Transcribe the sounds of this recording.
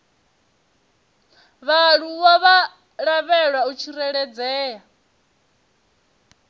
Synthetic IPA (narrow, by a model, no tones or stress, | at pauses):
βaɺuwaβa | ɺaβɛɺwaut͡ʃʰiɾɛɺɛd͡zɛːja